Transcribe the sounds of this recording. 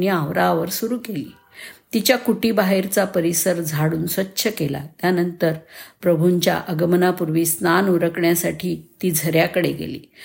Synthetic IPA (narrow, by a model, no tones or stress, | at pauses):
njəəʋɾaʋəɾsuɾuːkelḭː | t̪it͡ɕjakuʈiːbaɦeɾt͡sapəɾisəɾd͡zʱaɽuːnsʋətːɕʰəkela̰t̪janənt̪əɾpɾəbʱuɲt͡ɕja̰ʔəɡəmənapuɾʋiːsnanuɾəkɳjasaʈʰiːt̪iːd͡zʱəɾjakəɽeɡḛlḭː